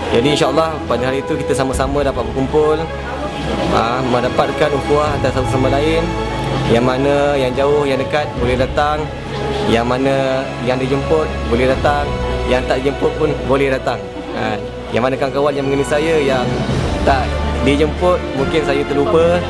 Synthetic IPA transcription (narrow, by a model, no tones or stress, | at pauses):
d͡ʒadiinʃaəlːɑhpadəɦalit̪ukit̪əsaməsamə̃dapat̪̚bərkumpʊl | əmmədapat̪̚kanukuahat̪asat̪usaməlaɪn | jaŋmanəjaŋd͡ʒaʊhjaŋdəkat̪̚bolɛhdat̪aŋ | jaŋmanə | jaŋdid͡ʒəmpʊt̪̚bolɛhdat̪aŋjaŋt̪aʔdid͡ʒəmpʊt̪̚pʊnbolɛhdat̪aŋ | an | jaŋmanəkaŋkawanjaŋməŋɡənisajəjaŋt̪aʔdid͡ʒəmpʊt̪̚muŋkɪnsajat̪əlupə